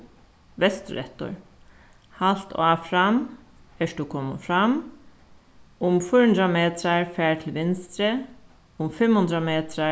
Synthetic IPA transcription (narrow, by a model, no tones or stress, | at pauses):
ʋɛst̪ɾɛ̰t̪ʊ̰ɹ | halt̪ʰaːfɾam | ɛʂtukʰɔmfɾam | ʊmfʊʉnd̪ɾameːt̪ʰɾaɹfæːɹʈ̪ʰɪl̩ʋɪnst̪ɾə | ʊmfɛmhʊnd̪ɾameːt̪ʰɾa